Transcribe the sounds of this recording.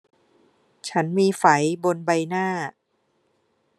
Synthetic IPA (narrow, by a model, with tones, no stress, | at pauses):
t͡ɕʰa˦˥nmiː˧fa˩˦jbo˧nba˧jnaː˥˩